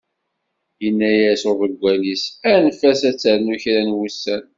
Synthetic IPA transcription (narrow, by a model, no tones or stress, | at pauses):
jənːæjæsoðəɡʷælisænfæsæt͡sːəɾnuçɾænwusːæn